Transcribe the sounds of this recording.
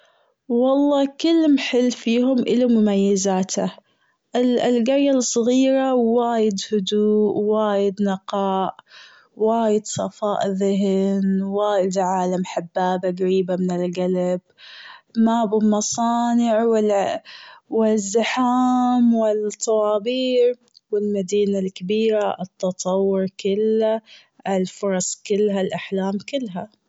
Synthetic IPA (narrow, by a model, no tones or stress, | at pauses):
wɑlˤːɑːkʊlːmħɪlːfiːhʊmʔɪlamʊmajːazaːt̪ʰa | ʔɪlɡaɾjalsˤɣiːɾawaːjɪd̪hʊd̪uːʔwaːjɪd̪nɪqɑːʔ | waːjɪd̪sˤɑfɑːʔðɪɦɪnwaːjɪd̪ʕaːlamħabːaːbaɡaɾiːbamɪnɪlɡalab̚ | mabɪmɑsˤɑːnɪʕwɪ | wɪzːaħaːmwɪlt̪ˤːɑwɑːbiːʕ | wɪlmad̪iːnalkabiːɾaʔɨt̪ːɑt̪ˤɑwːʊɾˤkɪlːa | ɪlfʊɾˤɑsˤkɪlːɦalʔaħlaːmkɪlːɦa